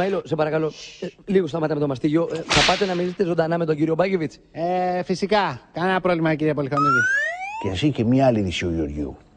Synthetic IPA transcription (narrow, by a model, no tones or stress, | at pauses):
ɐilo̞sepɐɾɐkɐlo̞liɣost̪ɐmɐt̪ɐme̞t̪o̞mɐst̪iʝio̞θɐpɐt̪enɐminiset̪ezo̞nd̪ɐnɐme̞t̪̬oɲɟiɾio̞bɐʝevit͡s | efisikɐkɐnɐɐpɾovlimɐciɾiɐpolixoniciceɐsiçemɲɐɐliðisioʝio̰ɾʝiṵ